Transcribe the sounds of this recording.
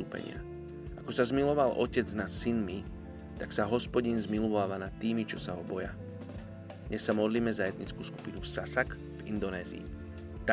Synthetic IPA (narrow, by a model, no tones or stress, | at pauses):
uːpɛ̰ɲɪ̰a̰ | ʔakɔsazmilɔʋalʔɔ̰cɛd͡znassinmi | t̪aksaɦɔspɔɟinzmilɔʋaːʋanat̪ːiːmit͡ʃɔsaɦɔbɔja | dɲɛsːamɔd̪liːmɛzaɛd̪ɲit͡skuːsku̥pinufsasak | vḭnd̪ɔnɛːzḭː | t̪a